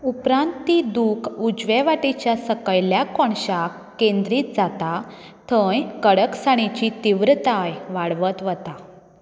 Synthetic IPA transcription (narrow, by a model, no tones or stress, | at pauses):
upɾãnt̪ːid̪ukud͡ʑʋɛʋaʈit͡ɕjasəkəjljakɔɳɕakːẽnd̪ɾiːt̪d͡zat̪a | t̪ʰəjkəɽəksaɽ̃it͡ɕit̪iʋɾət̪ajʋaɽʋət̪ʋət̪a